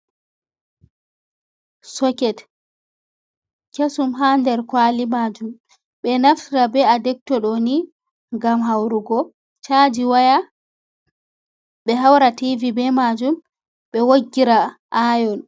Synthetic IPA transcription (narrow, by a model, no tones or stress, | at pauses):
sɔkɛt | kesumɦandɛɾkwalimad͡ʒum | ɓɛnaftiɾabɛadɛk̚tɔɗoni | ŋɡamɦawɾuɡɔ | t͡ʃaːd͡ʒiwaja | ɓɛɦawɾativibɛmad͡ʒum | ɓɛwoɡːiɾaʔajɔn